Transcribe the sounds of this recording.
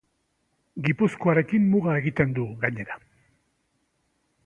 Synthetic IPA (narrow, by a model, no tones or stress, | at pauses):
ɡipusko̞aɾe̞kimːuɣae̞ɣit̪e̞nd̪uɣaɲe̞ɾa